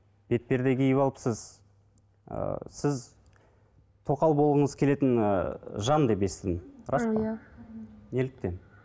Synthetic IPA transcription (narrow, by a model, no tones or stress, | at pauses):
b̥e̞t̪̚pe̞ɾd̪eɡʲɪjɪβɑlˠəpsəz | ə̰sɪz | t̪ʰo̞qɑlˠbo̞lˠəʁəɴəzkʲʰe̞le̞t̪ɪn̰ʒɑnd̪e̞pe̞st̪ɪd̪ɪmɾɑsp | ne̞lɪk̚t̪e̞n